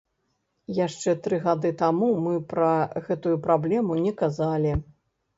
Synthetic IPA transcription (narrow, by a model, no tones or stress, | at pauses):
jaʂt͡ʂɛt̪ɾɨɣad̪ɨt̪amumɨpɾɐɣɛt̪ujupɾablʲɛmunʲɛkazalʲi